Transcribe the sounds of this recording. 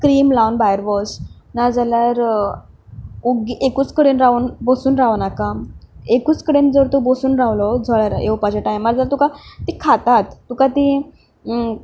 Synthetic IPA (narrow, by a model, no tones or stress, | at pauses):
kɾiːmlawnbajəɾbɔsnad͡zaljaɾ | uɡiʔekuːt͡skəɽenɾauːnbosuːnɾaʋnakaekuːt͡skəɽend͡zəɾt̪obosuːnɾaʋlɔd͡zɔɭjaɾjewpad͡ʑeʈajmːaɾd͡zalaɾt̪ukat̪ikʰat̪at̪ːukat̪i